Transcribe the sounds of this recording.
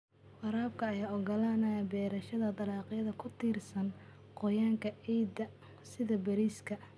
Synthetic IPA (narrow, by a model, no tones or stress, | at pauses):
ʔɑɾaːb̚kʰɐːjaːɔɡɐlaːnɐbɛːɾɐʃɐðɐd̪ɑlɑːqjɐðɐkʰʊt̪ʰiːrsɐn | qɔjaːŋkʰɐɛd̪ɐ | sɪðɐbɐɾiːskʰɐ